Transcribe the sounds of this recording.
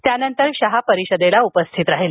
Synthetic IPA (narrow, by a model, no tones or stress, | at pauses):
t̪janənt̪əɾɕaɦapəɾiɕəd̪elaupəst̪ʰit̪ɾaɦel